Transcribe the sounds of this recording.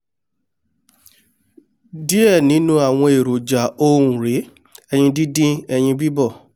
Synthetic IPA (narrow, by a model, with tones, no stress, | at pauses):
di˦ɛ˦˨nĩ˨˦nũ˦a˦˨w̃ɔ̃˧e˨ɾo˨d͡ʒa˨õ˧ũ˨ɾe˨˦ | ɛ˧ɲ̃ĩ˧di˦dĩ˦ɛ˧j̃ĩ˧bi˦bɔ˦˨